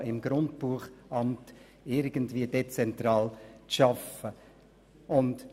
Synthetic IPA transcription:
ɪmɡɾʊndbuəχʔɑmt | ɪɾɡəntviːəd̥et͡sɛntɾɑːlt͡sʃɑfə | ʊnd

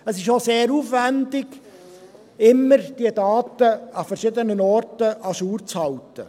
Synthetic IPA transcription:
əsɪʃoseːɾuːfʋændɪɡ̥ | ɪmːəɾd̥iədɑːtəɑfəɾʃɪdənənɔrtəʔɑʃuːɾt͡shɑltə̰

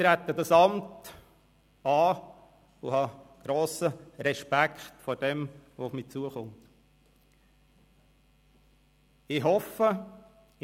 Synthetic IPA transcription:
ɾæt̪ːədɑsɑmt | ɑː | uhɑɡ̥ɾoːsəɾɛʃpækχtfɔɾd̥ɛmʋoʊfmiːt͡suəχʊmt | ɪɦɔfə

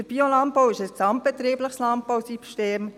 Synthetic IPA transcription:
əɾb̥iolɑnt̚powɪʃəsksɑmt̚b̥ɛt̪ɾiːbləχslɑnt̚bɑwsipʃteːm

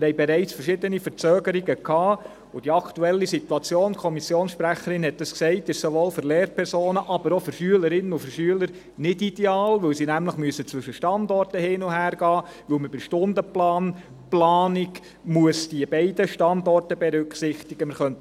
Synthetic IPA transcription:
mɪɾhɛɪbɛɾɛɪt͡sfəɾʃɪdənifəɾt͡søːɡəɾiɡəkʰɑː | ʊd̥iɑkʰtuɛlːisit̪uɑt͡sjoːnkʰɔmisjoːnsʃpɾæχəɾɪnhɛt̚d̥ɑsksɛɪtɪʃsoʋoːlfɨɾleːɾpʰɛɾsoːnəʔɑb̥əɾɔfʏɾʃyələɾɪnːəufʏɾʃyələɾ | nɪdid̥eɑːlʋɵwsinæmləχmyəsət͡sʋʏʃəʃtɑndɔrtəhɪːnʊhæːɾɡɑː | ʋɵlməbɪʃtʊndəplɑːn | plɑːnɪɡ | muəsd̥iəbɛɪdəʃtɑndɔrtəbɛɾʏkχsɪχtiɡ̥əmɪɾχœnt

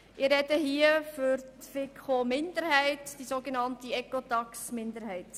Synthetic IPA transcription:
ʔɪɾɾɛdəɦiːəfʏɾtfɪkχomɪndəɾhæɪtd̥isoːɡenɑntiɛkotɑksmɪnd̪əɾhæɪt

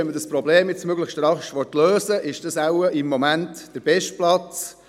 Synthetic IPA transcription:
ɛnmədəspɾɔbleːmjɪt͡smøɡləχʃtɾɑχʃʋɔtløːsəʔɪʃd̥əsawəʔɪmːɔmæntd̥əɾb̥ɛʃt̚plɑt͡s

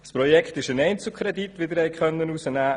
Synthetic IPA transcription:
spɾɔjɛkχtɪʃənɛɪnt͡sl̩ˠkʰɾɛditʋɪd̪əɾhɛɪkχœnːənusənæː

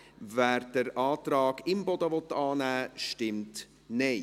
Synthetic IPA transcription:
væːɾd̥əɾʔɑːt̪ɾɑːɡ̥ɪmbɔd̪əvɔt̪ːɑːnæːʃtɪmt | neː

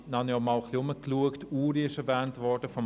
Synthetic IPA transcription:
nɑnjɑmɑlχliʊməkluəktuːɾiɪʃɛɾvɛːntʋɔɹd̥əfɔm

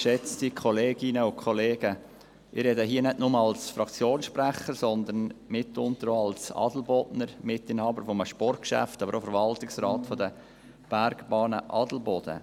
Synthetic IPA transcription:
ʃɛt͡stikʰɔleːɡ̥ɪnəʊkʰχɔleːɡ̥ə | ʔɪɾɛdəɦiːənɛdnʊməɑlsfɾɑkt͡sjoːnsʃpræχəɾsɔnd̪ənmɪtːʊnt̪əɾoɑlsɑ̰d̥l̩bɔdnəɾmɪtːɪnhɑːbəɾfɔməʃpɔrt̚kʃæ̰ftɑbəɾofəɾvɑltɪksɾɑːtfɔd̪ə | b̥æɾɡb̥ɑːnə̰ʔɑdl̩bɔd̥̪ə̰

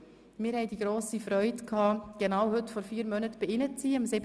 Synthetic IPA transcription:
mɪːɾhɛjdiɡɾoːsifɾœʏtkʰɑːɡ̥enaːwhɵtfɔɾfiːɾmœnətb̥iɪnət͡siːəmsɪb

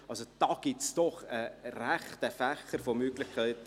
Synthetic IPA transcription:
ɑlsod̥ɑːɡ̥ɪtsd̥ɔχəɾæχt̪əfæχəɾfomøɡlɪχkʰæɪt

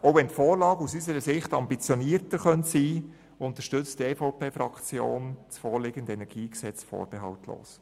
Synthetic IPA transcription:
oʊʋɛntfoːɾlɑːɡəusysəɾəsɪχtɑmbit͡sjɔniːəɾtəɾχœntsiː | ʊntəʃtʏt͡stɛːfoʊpeːfɾɑ̰kt͡sjo̰ːnt͡sfoːɾlɪɡ̥əndɛnɛɾɡ̥iːksɛt͡sfɔ̰ːɾb̥ɛɦɑltʰlo̰ːs

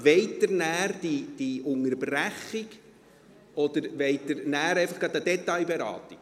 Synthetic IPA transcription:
ʋeɪt̪əɾnæːrd̥id̪̥iʊŋəɾbræχiɡ | ɔd̪əɾʋeɪt̪əɾnæːɾejfɑχɡ̥ɑt̪əd̥̪ɛt̪ːɑjbɛɾɑ̰ːt̪i̥

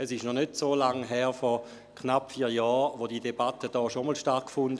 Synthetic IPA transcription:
ɛsɪʃnɔχnøtsoːlaŋɦɛːʁfɔʁ | kʰnapfiːɐjɔːʋodiːdebatəd̥ɔːʃomɔlʃtaɐkkfʊndə

